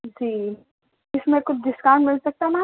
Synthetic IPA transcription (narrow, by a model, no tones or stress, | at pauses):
d͡ʒiː | ɪsmẽkʊt͡ʃʰd̪ɪskaːnmɪlsɐk̚t̪amã